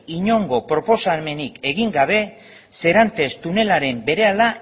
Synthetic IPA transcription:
iɲo̞ŋɡo̞pɾo̞po̞same̞nike̞ɣiŋɡaβ̞e̞ | se̞ɾant̪e̞st̪une̞laɾe̞mbe̞ɾe̞ala

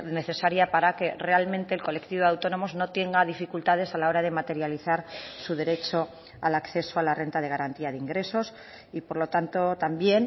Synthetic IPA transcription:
ne̞θe̞saɾjapaɾake̞re̞almẽnt̪eːlko̞le̞kt̪iβawt̪o̞no̞mo̞zno̞t̪je̞ŋɡaðifikult̪að̞e̞salao̞ɾað̞e̞mat̪e̞ɾjaliθaɾsuðe̞ɾe̞t͡ʃo̞ | alakθe̞soalare̞nt̪að̞e̞ɣ̞aɾant̪iaðeiŋɡɾe̞so̞s | ipo̞ɾlo̞t̪ant̪o̞t̪ambje̞n

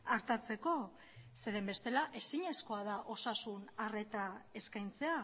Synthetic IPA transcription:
aɾt̪at͡se̞ko̞ | se̞ɾe̞mbe̞st̪e̞laʔe̞siɲe̞sko̞að̞aʔo̞sasunare̞t̪ae̞skajnt͡se̞a

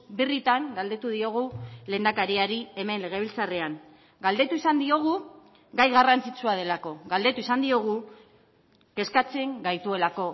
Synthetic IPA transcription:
birit̪aŋɡald̪e̞t̪uðio̞ɣ̞ule̞ːnd̪akaɾiaɾie̞me̞nle̞ɣ̞e̞βilt͡sare̞aŋ | ɡald̪e̞t̪uisand̪io̞ɣ̞u | ɡajɣarant͡sit͡suað̞e̞lako̞ɡald̪e̞t̪uisand̪io̞ɣ̞u | ke̞skat͡se̞ŋɡajt̪ue̞lako̞

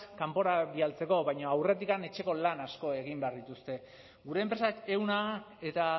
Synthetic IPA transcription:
kampo̞ɾaβialt͡se̞ko̞βajɲoawre̞t̪̬ikane̞t͡ʃe̞ko̞lanasko̞e̞ɣ̞imbe̞aɾðit̪ust̪e̞ | ɡuɾe̞ːmpɾe̞sake̞wna | e̞t̪a

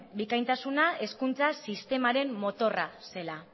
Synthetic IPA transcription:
bikajnt̪asunae̞skunt͡sasist̪e̞maɾe̞mːo̞t̪o̞rase̞la

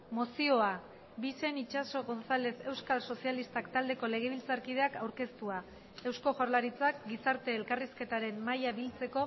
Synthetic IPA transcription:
mosio̞a | bise̞nit͡ʃaso̞ɣo̞nsale̞se̞wskalso̞sialist̪akt̪ald̪e̞ko̞le̞ɣ̞e̞βilt͡saɾkið̞e̞akawɾke̞st̪ua | e̞wsko̞ʝoɾlaɾit͡sak̚ɡisaɾt̪e̞ːlkariske̞t̪aɾe̞mːajaβilt͡se̞ko̞

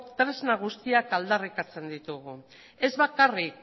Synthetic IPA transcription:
t̪ɾe̞znaɣ̞ust̪iakald̪arikat͡se̞nd̪it̪uɣ̞u | e̞zβakarik

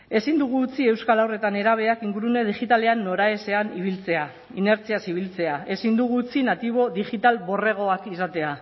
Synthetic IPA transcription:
e̞sind̪uɣ̞uːt͡sie̞wskalawre̞t̪ane̞ɾaβ̞e̞akiŋɡuɾune̞ð̞iʝit̪ale̞anːo̞ɾae̞se̞aniβ̞ilt͡se̞a | ine̞ɾt͡siasiβilt͡se̞ae̞sind̪uɣuːt͡sinat̪iβ̞o̞ðiʝit̪albo̞re̞ɣ̞o̞akisat̪e̞a

